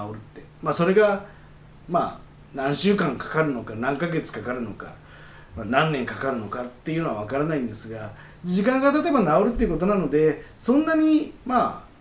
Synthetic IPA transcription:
aoɾɯ̟t̪ːe̞maso̞ɾe̞ɡa | ma̰ː | nãɰ̃ɕɨːkãŋkḁkaɾɯ̟no̞kanãŋkaɡe̞t͡sɨ̥kakaɾɯ̟no̞ka̰ | manãnːẽ̞ŋkakaɾɯ̟no̞kat̪ːe̞jɯ̟noaβ̞akaɾanaĩnd̪e̞sɨɡa | d͡ʑikãŋɡat̪at̪ebanao̞ɾɯ̟t̪ːe̞iɯ̟ko̞t̪̬o̞nano̞d̪e̞sõ̞nːaɲ̟ima

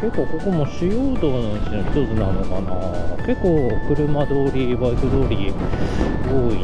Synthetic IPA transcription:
ke̞kːo̞ːko̞ko̞moɕijoːd̪oːnõnt͡ɕinoçi̥t̪o̞t͡sɨnano̞kana̰ke̞kːoːkɯ̟ɾɯ̟mad̪o̞ːɾʲibaik̪ɯd̪o̞ːɾʲi | ɡoːi

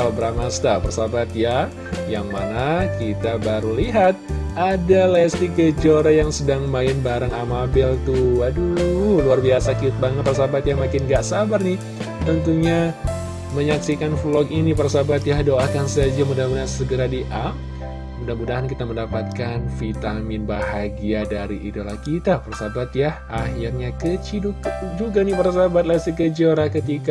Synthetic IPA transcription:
aabəɾamast̪apərsabat̪ja | jaŋmanakit̪abaɾuliɦat̪̚adalast̪ikət͡ʃoɾajaŋsədaŋmaɪnbaɾaŋamabɪlt̪uaduuluarbiasakit̪̚baŋət̪̚pərsabat̪jamakɪnɡaʔsabarnɪh | t̪ənt̪uɲa | məɲaksikanflɔkinipaɾasabat̪jahdoakansad͡ʒamudahmudaansəɡəɾadiʔap | mudahmudaɦankit̪aməndapat̪̚kanfit̪amɪnbahaɡiadaɾiʔidolahkit̪aparasabat̪jahʔaɦirɲakət͡ʃidud͡ʒuɡanipaɾasabat̪̚lasikəd͡ʒoɾahkət̪ika

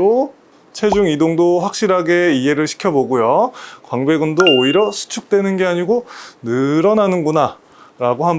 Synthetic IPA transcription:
o | t͡ɕʰe̞d͡ʑuŋidoŋdoɸwak̚ɕ͈iɾɦaɡe̞ie̞ɾɯɭɕʰi̥kʰjʌboɡujokwaŋbe̞ɡundoːiɾjʌsʰu̥t͡ɕʰuk̚t͈we̞nɯnɡe̞aɲiɡonɯɾʌnanɯnɡuna | ɾaɡoɦam

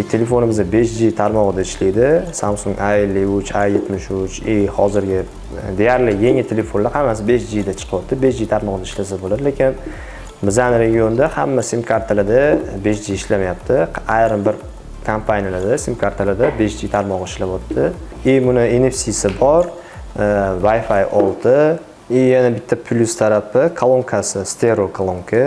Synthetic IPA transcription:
t̪ʰele̞fo̞nɪmɪzʲabe̞ʃd͡ʒit̪ʰaɾmɒʁɨd̪aɪʃlijd̪ɪsamsʊŋɡajlːɪʊt͡ʃʰajje̞t̪mɪʃʊt͡ʃehɒ̰zɪɾɡʲɪ | d̪e̞jaɾlɪjeŋɪt̪ʰele̞fonlaɾhamːasɪbe̞ʃd͡ʒid̪at͡ʃʰɨ̥qʰɨwɒt̪ːɪbe̞ʃd͡ʒit̪ʰaɾmɒʁɨd̪aɪʃlas̬abolad̪ɪlekʲɪn | bɪzanɾe̞ɡʲijo̞nd̪ahamːasimkʰaɾt̪ʰalad̪abe̞ʃd͡ʒijɪʃlamajap̚t̪ʰɪajɾɨmbɪɾ | kʰampʰanʲijalad̪asimkʰaɾt̪ʰalad̪abe̞ʃd͡ʒit̪ʰaɾmɒʁɪʃlabɒt̪ːɪ | emʊnɪenefsisɪbɒɾ | vajfajɒlˠt̪ʰɪ | ɪjanabɪt̪ʰːapʰlʲust̪ʰaɾapɪkʰalˠomkʰasɪst̪ʰeɾokʰalˠomkʰa

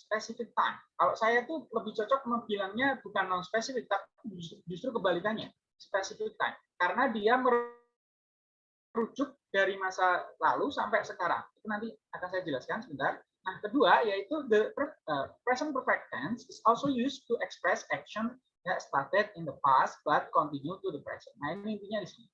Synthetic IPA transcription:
spɛsifɪk̚t̪a̰jmkaloʔsajait̪uləbɪht͡ʃɔt͡ʃɔk̚məbilaŋɲabukanlaŋspɛsifɪk̚t̪apd͡ʒusud͡ʒust̪ɾukəbalikanɲa̰ | spɛsifɪk̚t̪ajmkaɾənadiaməɾ | ɾud͡ʒʊk̚d̥aɾimasala̰lusampɛsəkaɾa̰ŋit̪unant̪iakansajad͡ʒəlaskansəbənt̪ar | nahkəduajait̪ud̪əpəəpɾɛsənpərfɛk̚t̪ɛnsɪsɔlsojust̪uʔɛkspɾɛsɛk̚ʃɔn | jast̪at̪ɛd̚ɪnd̪əpast̪̚b̥at̪̚kɔnt̪injut̪uðəpɾɛ̰sənnahinnint̪iɲadisinḭ

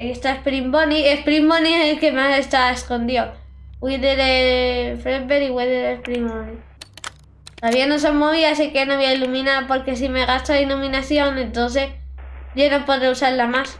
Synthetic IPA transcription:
iest̪aespɾimbo̞niespɾimbonielke̞masest̪aβaesko̞nd̪iowiðeɾefɾebeɾiɣweðeɾespɾimoni | tt̪oðaβiano̞s̬oŋmoβiasekenoβiailumĩnapo̞ɾke̞s̬ime̞ɣast̪oilumĩnaθjo̞ŋẽ̞nt̪onse̞sʝonopo̞ðɾeusaɾlamas

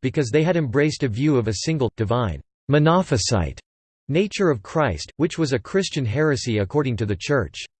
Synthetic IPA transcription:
b̥ɨkʰʌzðeɪɨɾɨ̃mbɹeɪstɨvjʉʌvɨsɪ̃ŋɡl̩ˠd̥ɨvãɪ̃n | mɨnɑfɨsa̰ɪt | neɪt͡ʃə˞ʌv̥kʰɹ̥aɪst̚wɨt͡ʃwʌzɨkʰɹ̥ɪst͡ʃɨ̃nɦɛɹɨsiɨkʰɔɹɾɪ̃ŋtɨðɨt͡ʃʰɜ˞t͡ʃ

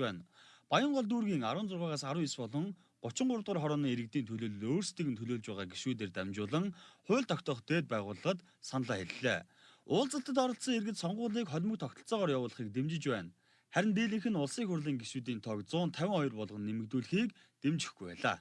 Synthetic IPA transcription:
æːnpajə̆ɴɢɔɮt̪̬uːrɣiːŋaɾwʊ̆ːnt͡sʊrʁaːʁaːsaɾʊːispɔɮɞ̆ŋ | ɢ̥ʊt͡ɕɪ̆ɴɢʊrt̪ʁəːrχɔɾɔːniːŋeɾɘ̆k̚t̪iːnt̪ʰɵɮoːɮɵ̆oːrst̪ʰiɣɘ̆nt̪ʰɵɮoːɮt͡ɕpæːʁaːɡeʃuːt̪̬eːrt̪æmt͡ɕʊːɮə̆ŋχʊ̟ːɮt̪ʰɔkt̪ɔ̆χt̪eːt̪̚pæːʁʊːɮə̆χə̆t̪ | sanɮaːxeɮɘ̆ɮḛː | ʊːɮt͡sə̆ɬt̪ə̆t̪̬ɔɾɞ̆ɬsə̆ŋerɣɘ̆t̪sɔɴɢʊːɮiːkχɔɮʲmɵ̆k̚t̪ʰɔkt̪ɞ̆ɬt͡sɔːʁɔːrjawʊːɮə̆χiːk̚t̪emt͡ɕɪ̆t͡ɕpæːn | χæɾʲɪ̆nt̪̬eːɮĭŋxɘ̆nʊɮsiːŋxʊrɮiːŋɡeʃuːt̪̬iːnt̪ʰɔkt͡sʊːnt̪ʰæwʲɪ̆ŋɔjɞrpɔɮʁɞ̆nːemɘ̆k̚t̪uːɮxiːk | t̪emt͡ɕɪ̥̆xɡujpæːɮa̰ː

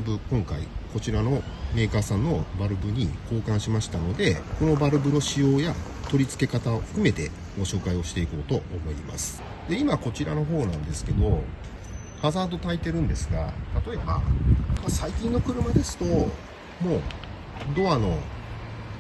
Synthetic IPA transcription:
bɯ̟kõ̞ŋka̰ḭko̞t͡ɕiɾano̞me̞ːkaːsãnːo̞baɾɯ̟bɯ̟ɲ̟iko̞ːkãɰ̃ɕimaɕi̥t̪ano̞d̪e̞ko̞no̞baɾɯ̟bɯ̟no̞ɕijo̞ːja | t̪o̞ɾʲit͡sɨ̥ke̞kat̪aoɸɯ̟̥kɯ̟me̞t̪e̞ | ɡo̞ɕo̞ːkaio̞ɕi̥t̪e̞iko̞ːt̪o̞ʔːmo̞ima̰sɨ̥ | d̪e̞imako̞t͡ɕiɾano̞ɦo̞ːnãnd̪e̞sɨ̥ke̞d̪o̞ | hazaːd̪o̞t̪ait̪e̞ɾɯ̟̃nd̪e̞sɨɡa̰t̪at̪o̞e̞ba̰masaikʲĩnːo̞kɯ̟ɾɯ̟mad̪e̞sɨ̥t̪o̞ | mo̞ː | d̪o̞ano̞

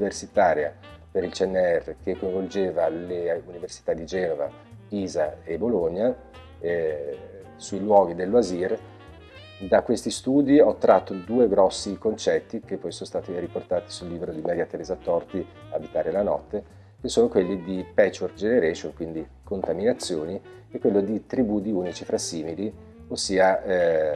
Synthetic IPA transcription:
universit̪aːɾja | peɾilt͡ʃiɛnːeɛrːekekːoij̃ɱvold͡ʒeːvaleuniversit̪ad̪ːid͡ʒɛːnova̰ | piːzaeboloɲːa | suilwɔːɡid̪elːoazir | d̪akwest̪ist̪uːd̪iɔt̪ːɾat̪ːod̪uːeɡɾɔsːikont͡ʃɛt̪ːik̟epːɔjsoːnost̪aːt̪iriport̪aːt̪i̥sulːiːbɾod̪imɛɾjat̪eɾeːzat̪ɔrt̪i | abit̪aːɾelanɔ̰t̪ːe | kesːoːnokwelːid̪ipɛt͡ʃːwork̪d͡ʒeneɾɛːʃonkwind̪i | kont̪aminat̪sːjoːni | ɛkːwelːod̪it̪ɾibud̪iuːnit͡ʃifɾasːiːmili | osːiːa

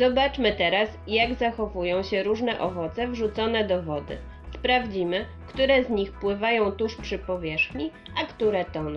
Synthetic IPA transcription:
zɔbat͡ʂmɘt̪ɛɾasjaɡzaxɔvujɔ̃w̃ɕɛɾuʐnɛʔɔvɔt̪sɛvʐut̪sɔnɛd̪ɔvɔd̪ɘ̰ | spɾavd͡ʑimɘ | kt̪uɾɛzɲixpwɘvajɔ̃w̃t̪uʂpʂɘpɔvʲjɛʂxɲi | akt̪uɾɛt̪ɔn

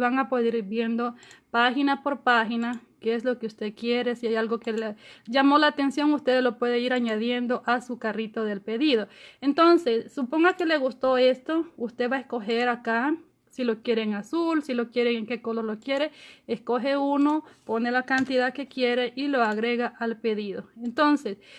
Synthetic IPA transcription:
βaŋapoðiɾbje̞nd̪o̞paxinapo̞ɾpaxinakeeslo̞keust̪ekjeɾe̞siajalɡo̞keleʝamo̞laːt̪e̞nsjo̞ŋust̪e̞ðlo̞pwe̞ðeiɾaɲaðje̞nd̪o̞ʔasukarit̪oðelpeðiðoent̪o̞nsesːupo̞ŋɡake̞le̞ɣust̪o̞e̞st̪o̞ust̪e̞βaeskoxeɾaka | silo̞kje̞ɾeːŋasulsilo̞kjeɾeːŋke̞koloɾlokje̞ɾeeskoɦe̞uno̞ponelakant̪iðake̞kje̞ɾeʔilo̞aɣɾe̞ɣaʔalpeðiðoent̪o̞nses

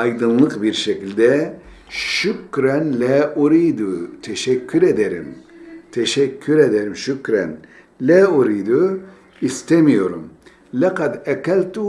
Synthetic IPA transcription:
ɑjd̪ɯnlˠɯqbiɾʃecilʲd̪ɛ | ʃykɾænlɛʔuɾid̪ut̪ʰeʃɛkʰːyɾed̪eɾḭm | t̪ʰeʃɛcʰːyɾed̪eɾimʃycɾæn | lɛuɾijd̪u | ist̪emijo̞ɾum | lɛqad̪ɛkælʲt̪u

